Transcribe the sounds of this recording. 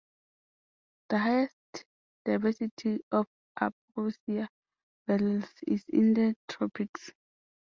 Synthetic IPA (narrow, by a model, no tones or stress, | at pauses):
d̥əɦajɛst | d̥ajvɛsitʰiɔf | ʔa̰p | osia | bɛllsḭzḭ̃ndətʰɹɔpʰiks